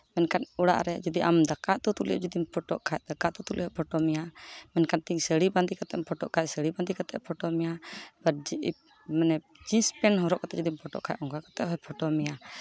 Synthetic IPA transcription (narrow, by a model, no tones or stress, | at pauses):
mɛnkanuɽa̰ʔɾɛd͡ʒud̪iʔamd̪akaʔt̪ɔt̪ulijɔʔd͡ʒud̪impʰɔʈɔʔkʰajɛʔ̪̚d̪akaʔt̪ɔt̪uliaʔpʰɔʈɔmɛjamɛnkant̪iŋsəɽiband̪ikat̪ɛʔmpʰɔʈɔʔkʰaɛsəɽibãnd̪ikat̪ɛ̰ʔpʰɔʈɔmɛjapaɾd͡ʒiʔ | mɛnɛ | d͡ʒĩspɛnɦɔɾɔʔkat̪ɛʔd͡ʒud̪impʰɔʈɔ̰ʔkʰajɛʔ̪ɔŋɡakḁt̪ɛʔɦɔjpʰɔʈɔmɛja